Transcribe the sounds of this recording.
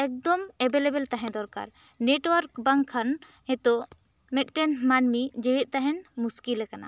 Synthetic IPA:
ɛk̚d̪ɔmɛbelebɛlt̪aɦɛ̃d̪ɔɾka̰ɾ | neʈwaɾkbaŋkʰːan | hɛt̪ɔ | mɛk̪̚ʈɛnmanmid͡ʒɛwɛʔ̪̚ˀt̪aɦɛnmuskilɛkana̰

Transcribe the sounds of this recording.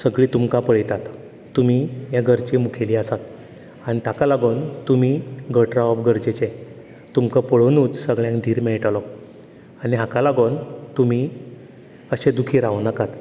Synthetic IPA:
səɡɭiːt̪umkapəɭjt̪at̪ | t̪ːum̤ijaɡʱəɾt͡ɕimukʰeliːəsat̪ | añit̪akalaɡont̪umiːɡʱəʈɾaɔpɡʱəɾd͡ʑet͡ɕe | t̪umkəpəɭnuːt͡ssəɡɭjãŋkd̪ʱiːɾmeɭʈalɔ | aniɦakalaɡont̪um̤iː | əɕed̪ukʰiːɾaʋnəkat̪

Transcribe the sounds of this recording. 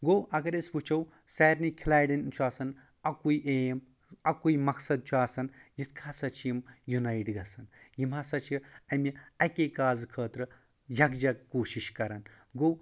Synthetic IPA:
ɡowʔɐɡɐɾesput͡ʃʰɐw | sɐjɾnikʲʰilaːjɽint͡ʃʰuaːsɐn | ɐkuiʔem | ɐkuimɐksɐd̪̚t͡ʃʰuaːsɐnjit̪ʰkʰaːsɐt͡ʃʰijimjunaiʈɡɐsɐnjimaːsɐt͡ʃʰiɐmiɐkekaːzkʰəːt̪ɾɨ | jɐkd͡ʒɐɡkoːʃiʃkɐɾanɡow

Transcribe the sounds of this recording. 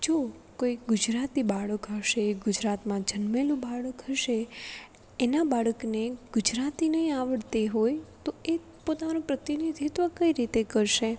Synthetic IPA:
d͡ʒokoiɡʊd͡ʒɾat̪ibaɭəkɦəʃeɡʊd͡ʒɾat̪mãd͡ʒənmelũbaɭəkɦəʃe | enabaɭəkneɡ̥ʊd͡ʒɾat̪inəɦĩaʋəɽt̪eɦojt̪oe | pot̪anõpɾət̪inid̪ʱit̪ʋəkəiɾit̪ekəɾʃe

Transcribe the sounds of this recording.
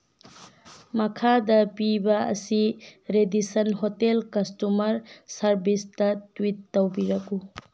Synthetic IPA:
mɐkʰadɐpibɐɐ̰siɾedisɐnɦotelkɐstumɐɾsɐɾbistɐtwitːowbiɾɐku

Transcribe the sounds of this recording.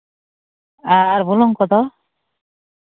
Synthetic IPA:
aːɾbulɔŋkɔd̪ɔ

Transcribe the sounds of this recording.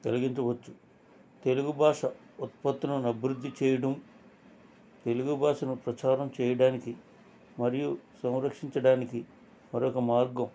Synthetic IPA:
ɡ̥ɐlɐɡiɲt͡ʃɐʋɐt͡ʃːu̥ | t̪e̞luɡubʱaːʂɐ | ut̪̚pɐt̪ːɐnunɐbʱiɾud̪ʱːit͡ʃɛːjɐɽɐm | t̪e̞luɡubʱaːʂɐnupɾɐt͡ʃaːɾɐmt͡ʃɛːjɐɽaːniki | mɐɾijusɐ̃wɾɐkʂiɲt͡ʃɐɽaːniki | mɐɾɔkɐmaːɾɡɐm

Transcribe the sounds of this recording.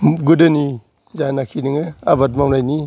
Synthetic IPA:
ɡudɯni | zanakʰinɯŋɯabat̚mamnajni

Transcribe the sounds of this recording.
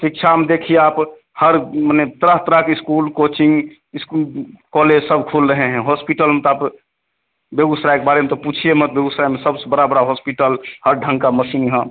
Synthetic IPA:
sik̚t͡ʃʰamed̪ekʰieaːp | həɾmənet̪əɾəɦt̪əɾəkiskulkot͡ʃĩŋɡ | ɪskulkɔled͡ʒsəbkʰulɾəɦeɦɛ̃ɦospiʈəlmet̪ɔaːp | bjeɡusɾajkebaɾemet̪ɔput͡ʃʰiemət̪bjeɡusɾajmesəbsebəɽabəɽaɦospiʈəlhəɾɖʱə̃ŋkaməsinɦə̃

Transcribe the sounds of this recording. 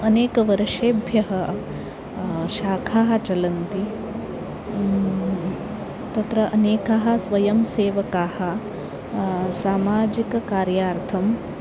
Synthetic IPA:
ɐneːkɐʋɐɾɐʃeːbʱjɐɦɐ | ʃaːkʰaːɦɐ̆t͡ʃɐlɐnt̪i | t̪ɐt̪ɾɐʔɐneːkaɦɐ̆sʋɐjɐmseːʋɐkaːhɐ̆ | saːmaːd͡ʒikɐkaːɾjaːɾt̪ʰɐm

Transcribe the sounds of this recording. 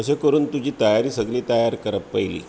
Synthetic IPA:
əɕekəɾuːnt̪ud͡ʑiːt̪əjaɾiːsəɡliːt̪əjaɾkəɾəpːəjlḭː

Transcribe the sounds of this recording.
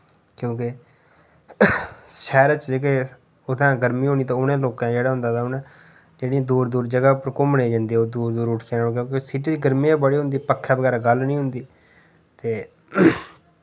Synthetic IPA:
kjõːkɪ | ʃɛːɾət͡ʃd͡ʒeːke | ʊd̪ãːɡəɾmĩːɦoːniːt̪ãːʊnẽːloːkãːd͡ʒeːɽaːɦʊ̃nd̪aːt̪ãʊnɛ̃ː | d͡ʒeːɽiːd̪uːɾd̪uːɾd͡ʒəɡaːpɾəkʊməneːd͡ʒãːnd̪iːɛoːd̪uːɾd̪uːɾʊʈʰkeːnãːkjõːkesiʈiːɡəɾmĩːabəɽiːɦʊ̃nd̪iːpəkʰːaːbəɡɛːɾaːɡəlnĩːɦʊnd̪iː | t̪eː

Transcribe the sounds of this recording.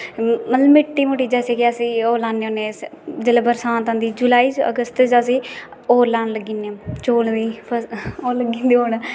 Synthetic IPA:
məllmɪʈːiːmoːʈiːd͡ʒɛːseːkɪaːsiːoːlaːnːeoːneːd͡ʒeleːbəɾsãːnt̪ə̃nd̪iːd͡ʒulaːiːt͡ʃə̰ɡəst̪d͡ʒaːs̬iːoːlaːnləɡiːnet͡ʃoːld̪iːpʰəoːləɡĩːnd̪iːɦoːnː

